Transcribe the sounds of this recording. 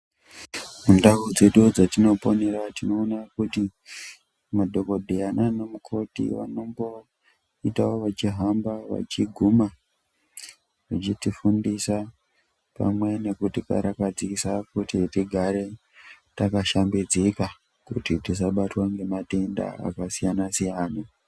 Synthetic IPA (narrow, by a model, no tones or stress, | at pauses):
mundaud͡ze̞ɗud͡zatino̞po̞ne̞ɾatino̞ːnakuti | madʱo̞ko̞dʱeananemukʰo̞tḭʋa̰no̞mbo̞ | itaoʋat͡ʃiɦambaʋa̰t͡ʃiɡʱuma | ʐat͡ʃitifundisa | pa̰mwe̞ne̞kutika̰ɾʔakad͡zisakutitiɡʱaɾe̞ | takaʃambid͡zika | kutitis̬aɓatwaŋɡe̞mate̞nda̰a̰kasijanasijaːna